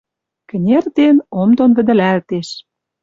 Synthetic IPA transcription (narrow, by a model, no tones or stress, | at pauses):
kɘ̆nʲerd̪enomd̪onvə̆d̪ə̆lælt̪eʃ